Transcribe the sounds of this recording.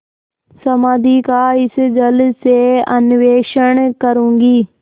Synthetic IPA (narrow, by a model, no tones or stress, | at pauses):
sɐmaːd̪ʱikaɪsd͡ʒəlseənɪʋeːʃəɳ̃kəɾũːŋɡiː